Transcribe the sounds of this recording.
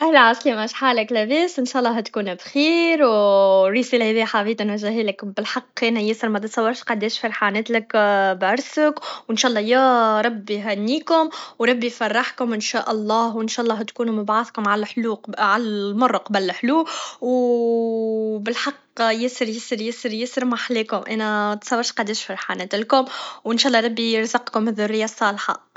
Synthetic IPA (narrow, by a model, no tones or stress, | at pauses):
ʔæhlʕasklimæʃħaːləklæbeːsʔɪnʃæːʔɑlˤːɑɦæt̪kuːnbxiːɾwɾisilhɛːðiːħabiːt̪ænwæʒæɦiːlɪkbɪlħɑqːɛnæjɪsəɾˤmæt̪t̪sˤɑwːɑɾˤʃqɑd̪eːʃfɑɾˤħaːneːt̪lɪkbʕʊɾˤsəkwʔɪnʃaːʔlˤːɑjæːɾˤɑbːiɦænːiːkʊmwɾˤɑbːifɑrˤːɑħkʊmʔɪnʃæːʔɑlˤːɑːhwɪnʃæːʔlˤːɑːt̪kuːnumʊbʕaθkʊmʕalħluːʕalmɑrˤːɑqɑbælːħluːw | bɪlħɑq | jɪsəɾjɪsəɾjɪsəɾjɪsɾmaħleːkʊmʔæːnæt̪sˤɑwːɑɾʃqɑd̪ɛːʃfɑɾˤħaːnɛːt̪lkʊmwʔɪnʃæʔlːɑɾˤɑbːijɾzɑqkʊmɪðʊrɪjːasˤːɑːlħɑ̰